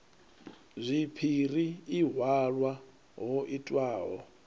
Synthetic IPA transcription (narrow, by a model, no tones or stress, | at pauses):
zʷipʰiriːɦwaɺwa | ɦɔʔitʼwaːɦɔ̰